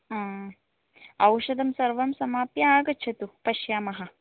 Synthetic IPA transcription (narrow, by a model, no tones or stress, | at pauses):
ãː | ɐwʃɐd̪ɐmsɐɾʋɐmsɐmaːpjaːɡɐt͡ʃʰɐt̪upɐʃjaːmɐɦɐ